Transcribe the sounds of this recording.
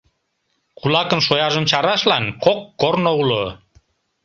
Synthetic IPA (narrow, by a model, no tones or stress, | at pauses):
kulɑkənʃojɑʒəmt͡ɕɑɾɑʃlɑnkokːornoulo